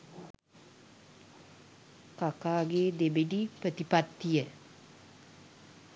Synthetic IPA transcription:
kakaːɡeːd̪ebedipɾət̪ipat̪ːijə

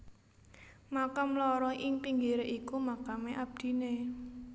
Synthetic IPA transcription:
makamlɔɾɔʔɪŋpiŋɡiɾeʔikumakameʔab̥̚d̪̥i̤ne

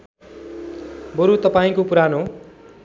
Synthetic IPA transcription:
bʌɾut̪ʌpaĩkopuɾano

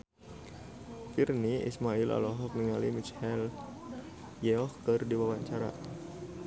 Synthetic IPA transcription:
firniḭsmaila̰lɔɦɔk̚niŋalimit͡ʃhɛl | jeɔhkɨrdiwawaɲt͡ʃaɾa̰

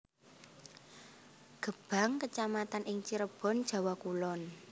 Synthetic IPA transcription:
ɡ̥ə̤b̥a̤ŋkət͡ʃamat̪anʔɪŋt͡ʃiɾəb̥ɔ̤nd̥ʒ̥a̤wakulɔn

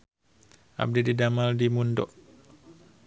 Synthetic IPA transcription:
a̰b̚dididamaldimundɔ̰ʔ

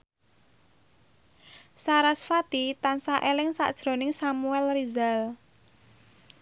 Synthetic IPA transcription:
saɾasfat̪it̪ansaʔelɪŋsa̰ʔd̥ʒ̥ɾo̤nɪŋsamuɛlrizal

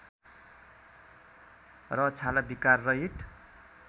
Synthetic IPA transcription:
rʌt͡sʰalabikarːʌɦiʈ

